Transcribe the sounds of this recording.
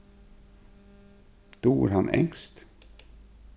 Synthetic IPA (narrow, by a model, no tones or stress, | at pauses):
d̪̥oːæ̰ɾhɑnʔɛ̰ŋst̪